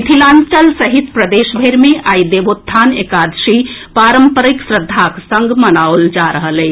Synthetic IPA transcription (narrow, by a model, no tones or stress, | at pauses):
t̪ʰilãːnt͡ʃəlsəɦit̪pɾəd̪eːʃbʱeɾmeʔaid̪ebot̪ʰːanekad̪ʃipaːɾəmpəɾiksɾəd̪ʱːaksə̃ŋɡmənaold͡ʒaɾəɦəleː